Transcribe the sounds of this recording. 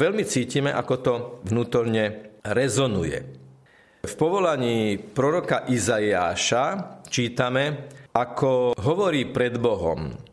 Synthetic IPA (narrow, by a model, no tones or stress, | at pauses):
ʋɛʎmit͡siːcimɛʔakɔt̪ɔʋnuːt̪ɔɾɲɛɾɛzɔnujɛ̰ | fpɔʋɔlaɲiːpɾɔɾɔkaʔizajaːʃat͡ʃiːt̪amɛakʰɔɦɔʋɔɾiːpɾɛd̪bɔɦɔ̰m